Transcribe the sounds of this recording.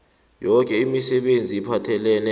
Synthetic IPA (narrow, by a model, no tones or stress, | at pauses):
jɔk̬ʼɛimisɛɓend͡zʱiipʰatʰɛlɛːnɛ